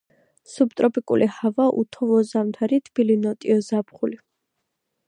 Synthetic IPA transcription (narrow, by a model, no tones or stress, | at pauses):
sub̚t̪ʼɾɔpʼikʼṵlʔihavaʔṵt̪ʰɔvɔzamt̪ʰaɾit̪ʰb̥ilinɔt̪ʼiɔzapχuli